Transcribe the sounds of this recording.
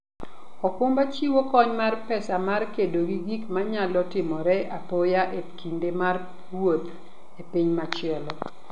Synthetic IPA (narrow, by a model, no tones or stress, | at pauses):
ɔkʊmbat͡ʃiwokɔɲmarpɛsamarkedoɡiɡikmaɲalɔtɪmɔɾɛʔapojaʔekʰindemar | wot̪ | epiɲmat͡ʃɪɛlɔ